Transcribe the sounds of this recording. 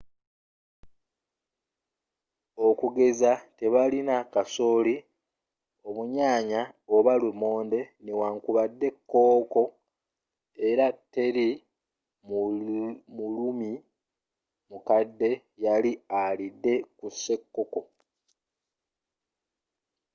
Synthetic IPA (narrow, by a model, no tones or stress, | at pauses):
o̞kuɡe̞zate̞βalinakaso̞ːli | o̞βuɲaːɲaoβalumoːnde̞newaŋkuβadːe̞kːo̞ːko̞ | e̞ɾate̞ɾi | m | mulumi | mukadːe̞ | jalialidːe̞kuse̞kːo̞ko̞